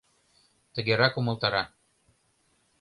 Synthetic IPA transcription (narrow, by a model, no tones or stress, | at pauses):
t̪ə̆ɣeɾɑkumɤ̆lˠt̪ɑɾɑ